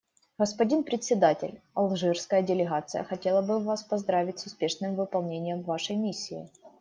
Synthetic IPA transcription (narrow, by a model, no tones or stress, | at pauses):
ɣəspɐdʲinpɾʲɪt̪ʲsʲɪd̪atʲɪ̰lʲɐlˠʐɨrskəjədʲɪlʲɪɣat̪sɨjə̰xɐtʲe̞lˠəbɨvaspɐzd̪ɾavʲɪtʲsʊspʲe̞ʂnɨmvɨpɐlˠnʲenʲɪjəmvaʂəjmʲisʲːɪɪ̰